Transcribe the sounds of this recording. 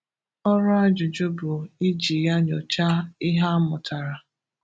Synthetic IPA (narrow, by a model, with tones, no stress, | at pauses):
ɔ˦ɾʊ˦a˦d͡ʒʊ˨d͡ʒʊ˦bʊ˨i˦d͡ʒi˨ja˦ɲɔ˨t͡ʃa˦ɪ˦ɦa˦mʊ˨ta˨ɾa˨